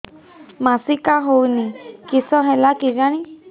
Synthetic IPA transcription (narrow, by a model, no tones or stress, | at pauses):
masikaɦownikisɔɦelakiɡaɽ̃i